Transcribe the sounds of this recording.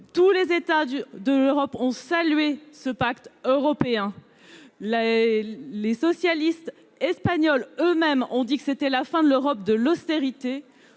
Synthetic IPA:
t̪ulezet̪ad̪əløʁɔpɔ̃salɥesəpakt̪øʁɔpeɛ̃ | l | lesɔsjalist̪ | ɛspaɲɔlømɛmɔ̃d̪ikə̥set̪ɛlafɛ̃d̪əløʁɔp̚d̪əlɔst̪eʁit̪e

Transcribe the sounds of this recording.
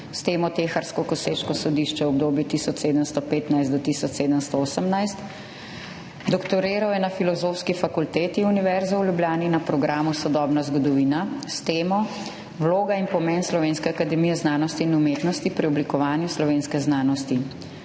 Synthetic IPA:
st̪eːmɔt̪eːxaɾskɔkɔseːʃkɔsɔd̪iːʃt͡ʃɛwɔb̚d̪oːbjut̪isɔt͡ʃseːd̪əmst̪ɔpeːt̪najst̪ɔt̪isɔt͡ʃseːd̪əmst̪ɔoːsəmnajst̪ | d̪ɔkt̪ɔɾeːɾawjɛnafilɔzoːfskifakult̪eːt̪iuniʋɛɾzɔwljubljaːninapɾɔɡɾaːmusɔd̪ɔːbnazɡɔd̪ɔʋiːnast̪eːmɔ | wloːɡainpɔmɛnslɔʋeːnskɛakad̪ɛmijɛznaːnɔst̪iinumeːt̪nɔst̪ipɾiɔblikɔʋaːnjuslɔʋeːnskɛznaːnɔst̪i

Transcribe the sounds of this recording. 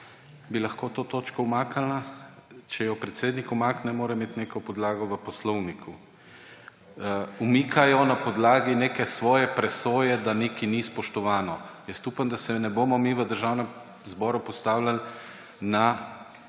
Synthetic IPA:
bilaxkoːt̪oːt̪oːt͡ʃkɔwmaːkalnat͡ʃɛjɔpɾɛt̪seːd̪nikumaknɛmoːɾɛmeːt̪neːkɔpɔd̪laːɡɔʋəpɔslɔwnikʰu | umiːkʰajɔnapɔd̪laːɡineːkɛsʋɔːjɛpɾɛsoːjɛd̪anekinispɔʃt̪ɔʋaːnɔjəst̪uːpand̪asɛnɛboːmɔmiʋəd̪əɾʒawnɛm | zbɔːɾupɔst̪aːwlal | na

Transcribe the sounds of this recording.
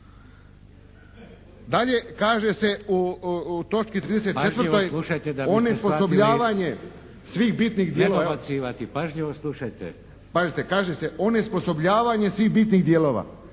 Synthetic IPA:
d̪aʎe̞kaːʒe̞se̞ut̪o̞t͡ʃkit̪ɾiːd̪es̬et̪t͡ʃeʋɾrojlˠuʃajt̪ed̪aonesposobʎaːʋaɲe̞ | sʋiːɣbit̪niɣd̪jeloaasiːʋat̪ipaʒɲiʋoslˠuʃajt̪ɛ̰ | paʒit̪ekaːʒeseʔonespo̞so̞bʎaːʋaɲe̞sʋiːɣbiːt̪niɣd̪jeːlo̞ːʋa̰ː

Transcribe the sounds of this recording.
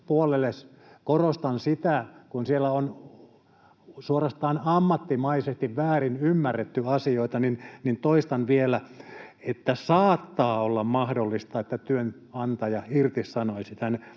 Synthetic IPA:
puolelːes | korost̪ɑnsit̪ækunsielːˑæon | suorɑst̪ɑːnɑmːɑt̪ːimɑisest̪iʋʋæːrinymːærːet̪ːyɑsioit̪ɑninnint̪oist̪ɑnʋielæet̪ːæsɑːt̪ːɑːolːɑmmɑhdolːist̪ɑet̪ːæt̪yøn | ɑnt̪ɑjɑirt̪issɑnoisit̪æn

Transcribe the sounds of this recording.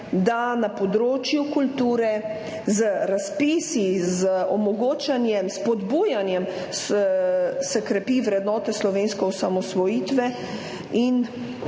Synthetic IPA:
d̪anapɔd̪ɾoːt͡ʃjukult̪uːɾɛ | zəɾaspiːsizəɔmɔɡoːt͡ʃanjɛmspɔd̪buːjanjɛm | s | sɛkɾɛpiːʋɾɛd̪nɔːt̪ɛslɔʋeːnskɛɔsamɔsʋɔjiːt̪ʋɛ | in

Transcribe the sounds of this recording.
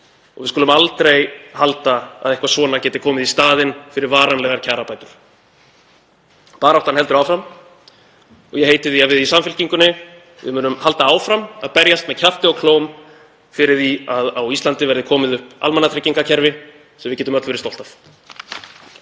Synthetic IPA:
ɔ̰ɣvɪskɔːlʏmalt̪ɾejhalt̪aa̰ðɛhkvasvɔːnacɛːt̪ɪkʰɔːmɪðist̪aːðɪnfɪɾɪɾvaːɾanlɛɣaɾcʰaːɾapaːjt̪ʏɾ̥ | paːɾawht̪anɛlt̪ʏɾawfɾam | ɔ̰ɣjɛhejt̪ɪðiaðvɪðisamfɪlciŋkʏnːɪ | vɪ̰mʏːnʏmhalt̪aaːwfɾamaðpɛɾjast̪mɛðcʰaft̪ɪɔɣkʰloːwm | fɪɾɪɾðiaðawist̪ant̪ɪvɛɾðɪkʰɔːmɪðʏhpa̰lmɛnat̪ɾecːiŋkacʰɛɾvɪ | sɛmvɪðcɛːt̪ʏmœt̪l̥fɪɾɪ̥st̪ow̪t̪af

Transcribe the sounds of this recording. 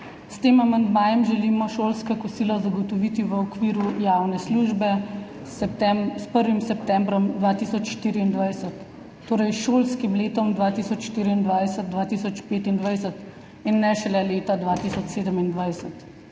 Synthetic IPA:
st̪eːmamand̪maːjɛmʒɛlimɔʃoːlskakɔsiːlɔzaɡɔt̪ɔʋiːt̪iʋəɔkʋiːɾujawnɛsluːʒbɛ | sɛt̪ɛspəɾʋimsɛp̚t̪ɛ̃mbɾɔmd̪ʋaːt̪isɔt͡ʃʃt̪iːɾiːnd̪ʋajsət̪ː | oːɾɐjʃolskimleːt̪ɔmd̪ʋaːt̪isɔt͡ʃʃt̪iːɾiind̪ʋajsət̪̚d̪ʋaːt̪isɔt͡ʃpeːt̪ind̪ʋajsət̪ | inːɛʃɛlɛleːt̪ad̪ʋaːt̪isɔt͡ʃseːd̪əmind̪ʋajsət̪

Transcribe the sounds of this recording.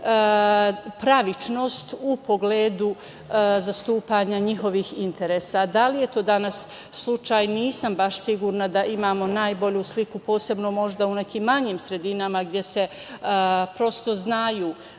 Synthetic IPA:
pɾaʋit͡ʃno̞ːst̪upo̞ɡleːd̪u | zast̪uːpaɲaɲiɦo̞ʋiːhint̪e̞ɾeːsad̪alije̞t̪o̞ːd̪anasː | lˠut͡ʃaːjniːsambaʃsiɡuːɾnad̪aʔimaːmo̞naːjbo̞ʎuslikupo̞ːse̞bno̞mo̞ʒd̪aune̞kiːmːaɲiːmsɾe̞d̪inamaɡd̪je̞se̞ | pɾo̞st̪o̞znaːjuː

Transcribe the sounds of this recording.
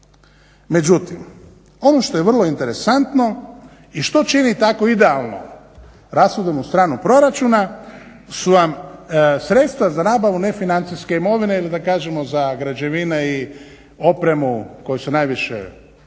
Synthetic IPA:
me̞d͡ʒut̪im | o̞noʃt̪o̞jeʋr̩lˠo̞int̪e̞ɾe̞sant̪no̞ | iʃt̪o̞t͡ʃinit̪ako̞id̪e̞alˠno̞̰ | ɾasud̪omust̪ɾaːnupɾo̞ɾat͡ʃuna | suʋamsɾe̞t̪st̪ʋazanaːbaʋune̞finant̪siske̞imo̞ʋine̞ilid̪akaːʒemo̞zaɡɾad͡ʑe̞ʋinei | o̞pɾe̞muko̞jesunajʋiʃḛ

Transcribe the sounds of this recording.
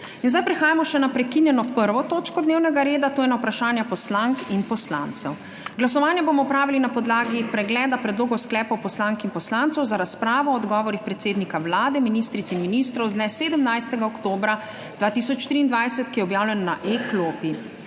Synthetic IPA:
inzd̪ajpɾixaːjamɔʃɛnapɾɛkinjɛnɔpəɾʋɔt̪oːt͡ʃkɔd̪neːwnɛɡaɾeːd̪at̪oːjɛnawpɾaʃaːnjapɔslaŋkinpɔsla̰nt̪sɛw | ɡlasɔʋaːnjɛboːmɔpɾaːʋilinapɔd̪laːɡipɾɛɡlɛːd̪apɾɛd̪loːɡɔwsklɛːpɔwpɔslaŋkinpɔslaːnt̪sɔwzaɾaspɾaːʋɔːd̪ɡɔːʋɔɾixpɾɛt̪seːd̪nikawlaːd̪ɛminiːst̪ɾit̪ɛinminiːst̪ɾɔwznɛseːd̪əmnajst̪ɛɡaɔkt̪oːbɾa | d̪ʋaːt̪isɔt͡ʃːt̪ɾiːnd̪ʋajsɛt̪kijɛɔbjaːwlʲɛnnaʔekloːpi

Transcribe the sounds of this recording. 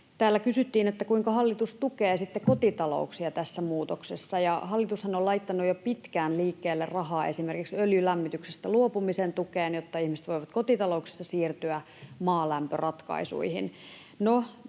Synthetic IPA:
t̪æːlːækysyt̪ːiːnet̪ːækuiŋkɑhɑlːit̪ust̪ukeːsit̪ːekot̪it̪ɑlo̰uksiɑt̪æsːæmuːt̪oksesːɑjɑhɑlːit̪ushɑnolɑijt̪ːɑnːujopit̪kæːnliːkːeːlːerrɑhɑːe̞simerkiksøljylæmːit̪yksest̪æluopumisent̪ukeːnjot̪ːɑihmise̥t̪ʋoiʋɑt̪kot̪it̪ɑloukse̥sːɑsiːrt̪yæ | mɑːlæmpørɑt̪kɑ̰isṵihin | no

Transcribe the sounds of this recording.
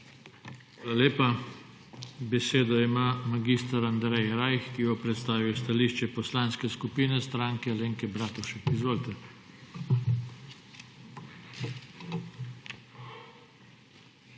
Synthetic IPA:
ʋaːlaleːpa | bɛseːd̪ɔimamaɡist̪aɾand̪ɾɛjɾajxkiɡɔpɾɛt̪st̪aːʋijɔst̪aliːʃt͡ʃɛpɔslanskɛskupiːnɛst̪ɾaːŋkɛleːŋkɛbɾaːt̪ɔʃɛkizʋoːlt̪ɛ

